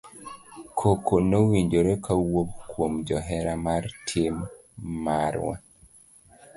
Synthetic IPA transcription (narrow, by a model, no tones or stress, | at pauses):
kʰokʰonowiɲd͡ʒoɾekʰawop̚kwomd͡ʒɔɦɛɾamartʰemː | aɾwa̰